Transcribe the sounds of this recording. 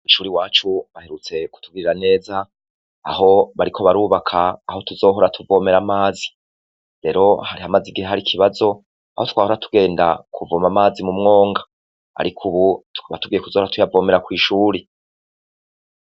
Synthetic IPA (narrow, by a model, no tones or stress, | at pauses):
iʃuːɾiwaːt͡ʃuβahe̞ɾut͡se̞ku̥tuɡiɾiɾane̞ːza̰ː | ɦo̞βaɾikʰo̞βaɾuːβakʰaːho̞tuzo̞ːɦo̞ɾatʰuvo̞ːme̞ɾamaːzi̥ | ɾe̞ɾo̞haɾihamaziɡiheɦaɾikʰiβazo̞ | a̰hotu̥kwaːhoɾatu̥ɡe̞ːnda̰kʰuvo̞ːmamaːzimumŋo̞ːŋɡa | a̰ɾikʰuβutu̥kaβatuɡiːje̞kuzohɾatujavo̞ːme̞ɾakwiːʃuːɾi